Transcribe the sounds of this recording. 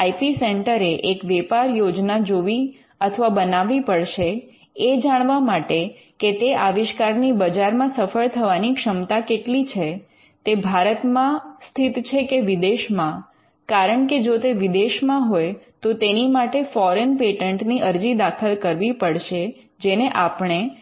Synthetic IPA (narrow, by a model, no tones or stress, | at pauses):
aipiseɳʈəɾeʔekʋɛpaɾjod͡ʒnad͡ʒoʋi | ət̪ʰəʋabənaʋipəɭʃe | ed͡ʒaɽ̃ʋamaʈe | ket̪eʔaʋɪʃkaɾnibəd͡ʒaɾmãsəfəɭt̪ʰəʋanikʃəmt̪akeʈlit͡ʃʰe | t̪ebʱaɾət̪mãst̪ʰit̪t͡ʃʰekeʋid̪eʃmã | kaɾəɳked͡ʒot̪eʋid̪eʃmãɦojt̪ot̪enimaʈefɔɾənpeʈəɳʈniʔəɾd͡ʒid̪akʰəlkəɾʋipəɭʃe | d͡ʒeneʔapɳ̃e